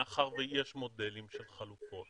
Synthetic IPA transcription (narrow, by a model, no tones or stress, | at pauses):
aχaʁvejeʃmo̞delimʃelχalufo̞t